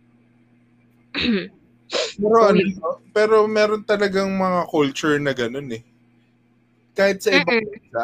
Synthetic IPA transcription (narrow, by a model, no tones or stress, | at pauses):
pɛːɾoʔɐnomopɛːɾo̞mɛːɾo̞nt̪ɐlɐɡaŋmɐŋakult͡ʃʊɹnɐɡɐno̞nɛ | kaːhɪt̪̚sɐʔɪbaŋbɛnsa